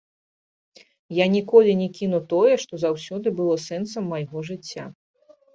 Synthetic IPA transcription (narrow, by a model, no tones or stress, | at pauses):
janʲikɔlʲinʲɛkʲinut̪ɔjɛʂt̪ɔzawsʲɔd̪ɨbɨlˠɔsɛnt̪sɐmːɐjɣɔʐɨt͡sʲːa